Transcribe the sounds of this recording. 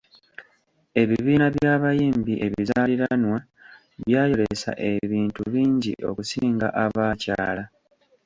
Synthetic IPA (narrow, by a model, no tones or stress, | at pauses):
e̞βiβiːnaβjaːβajiːmbiʔe̞βizaliɾanwa | βjaːjo̞ɾesa̰ʔe̞βiːntuβiːɲɟḭʔo̞̰kusiːŋɡa̰ʔaβaːca̰ːla